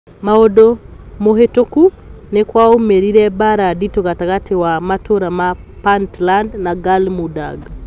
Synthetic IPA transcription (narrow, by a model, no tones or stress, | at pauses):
maodomoɦetoku | nekwaomeɾiɾɛbaɾaditoɣataɣatewamatoɾama | pantlandnaɡalmuda̰ɡ